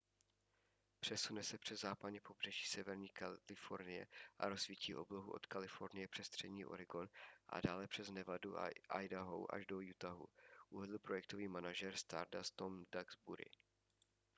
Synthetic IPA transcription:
pr̥ɛsunɛsɛpr̥ɛzzaːpadɲɛpo̞br̝ɛʒiːsɛvɛɾɲiːkalɪfo̞ɾnɪjɛ̰ʔa̰ɾo̞zvicḭːʔo̞bloɦṵʔo̞̰t̪kalɪfo̞ɾnɪjɛpr̝̥ɛst̪r̝̥ɛdɲiːʔo̞̰ɾɪɡo̞nʔa̰daːlɛpr̝̥ɛznɛvaduʔajdaɦo̰wʔa̰ʒdo̞jut̪aɦṵʔuvɛdl̩ˠpɾo̞jɛk̚t̪oviːmanaʒɛɾst̪a̰ɾdast̪omdaɡzbuɾɪ̰

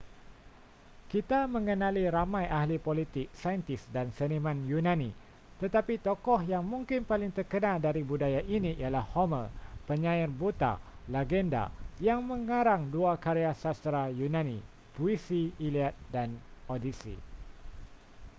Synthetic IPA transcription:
kit̪amə̃ŋənãliɾamãjʔahlipolit̪ɪk̚sajənt̪ɪsdansənimãnjunãni | t̪ət̪apit̪ɔkɔhjaŋmũŋkɪnpalɪŋt̪ərkənaldaɾibudajaʔiniʔḭalahhoməpəɲãɪrbut̪a̰laɡɛnda̰jaŋmə̃ŋaɾaŋduakaɾeasast̪ɾajunãnḭ̃ | puisiiliat̪̚danodisḭ

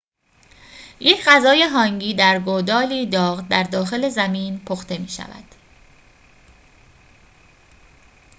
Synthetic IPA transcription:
jecʰɢæzɒːje̞ɦɒːŋɟiːd̪æɾɡod̪ɒːliːd̪ɒːɣd̪æɾd̪ɒːxe̞le̞zæmiːnpʰoxt̪e̞miːʃæ̰væ̰d̪̥

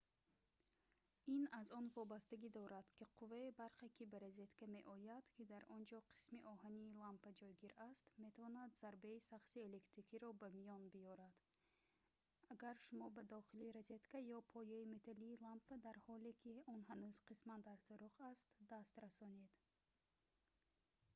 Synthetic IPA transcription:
inazɔnvɔbast̪æɡid̪ɔɾad̪̥kʰiqʰuvaibaɾχekʰibaɾazet̪kameʔɔjad̪̥kʲʰid̪aɾɔnd͡ʒɔqʰi̥smiʔɔɦaniːlampad͡ʒɔjɡiɾast̪me̞t̪ʰavɔnad̪z̥aɾbeisaχsiele̞kt̪ɾikʰiɾɔbæmijɔnbijɔɾad̪̥ | aɡaɾʃumɔbad̪ɔχiliɾazet̪kajɔpʰɔjɛime̞t̪ʰaliːlampːad̪aɾhɔlekʰʲiɔnɦanuz̥qismand̪aɾsɔɾuχast̪d̪ast̪ɾasɔned̪

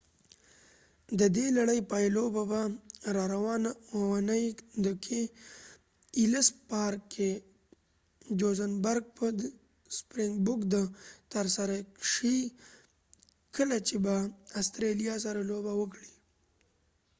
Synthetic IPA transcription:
d̪əd̪elaɽəjpajlobabaɾɑɾawɑnawawanəjd̪əkʰe | iləspɑɾkːe | d͡ʒozanbaɾɡ̚pə | spɾeŋɡbʊkd̪ət̪aɾsaɾaʂəi | kəlat͡ʃebaast̪ɾelijɑs̬aɾalobawəkɽi̥

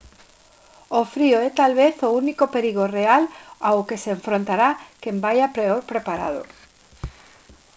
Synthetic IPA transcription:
ofɾioɛt̪alβeθounikopeɾiɣ̞orealawkeseːɱfɾõnt̪aɾakembajapɾeoɾpɾepaɾa̰ðo̰

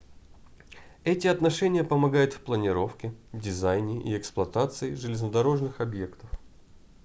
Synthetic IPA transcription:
ɛtʲɪɐt̪nɐʂɛnʲɪjəpəmɐɡajʊt̪fplˠənʲɪɾo̞fkʲɪdʲɪzajnʲɪʔḭɛksplˠɐt̪at̪sɨɪʐɨlʲɪznəd̪ɐɾo̞ʐnɨxɐbje̞kt̪əf

